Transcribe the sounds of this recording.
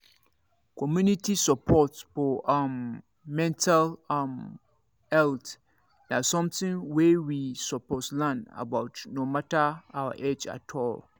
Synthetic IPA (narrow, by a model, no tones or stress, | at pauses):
kʰɔmjũnitʰisɔpʰɔtb̥ɔʔãmː | ɛ̃ntʰalm | hɛlt | dasɔ̃mtʰɪ̃ŋwɛwisɔpʰɔslãna̰baʊtnõmatʰaawa̰ʔed͡ʒa̰tʰɔl